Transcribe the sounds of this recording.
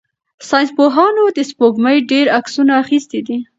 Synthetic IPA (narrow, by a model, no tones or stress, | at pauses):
sɑjnspoɦɑnod̪əspoɡməjɖeɾaksunaːxist̪id̪i